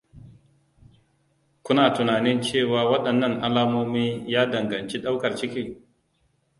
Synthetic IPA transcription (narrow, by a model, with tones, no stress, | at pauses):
kʷʊ˦naː˨tʊ˨naː˨nɪ˦nt͡ʃeː˦˨waː˨wɐ˦ɗɐ˨nːɐ˦˨ŋʔa˦laː˦moː˦miː˦jaː˦dɐ˨ŋɡɐ˨nt͡ʃe˦ɗa˦wkɐ˨rt͡ʃɪ˦kʲiː˦